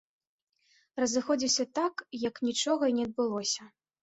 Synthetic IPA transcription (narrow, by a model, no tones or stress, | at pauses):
rɐzɨxɔd͡zʲiwsʲɐt̪akjɐknʲit͡ʂɔɣɐinʲɛɐd̪̚bɨlˠɔsʲɐ